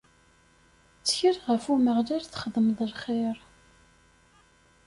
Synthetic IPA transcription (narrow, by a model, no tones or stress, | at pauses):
t͡sːçiɾʁəfuməʁlæɾθχəðˤəmðˤəlχeɾˤ